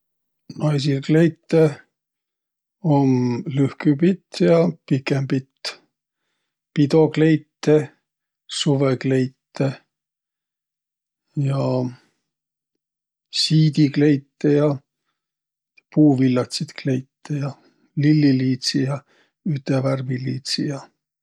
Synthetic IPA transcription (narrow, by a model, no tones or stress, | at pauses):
nɑjsilklejt̪ːe | omlyhkypit̪ːjɑpikːempit̪ː | pid̪o̞kle̞jt̪ːe | suvekle̞jt̪ːe | jɑ | siːd̪ikle̞jt̪ːejɑ | puːvilːɑt̪sit̪kle̞jt̪ːejɑ | lilːiliːt̪sijɑ | yt̪ːeværviliːt̪sijɑ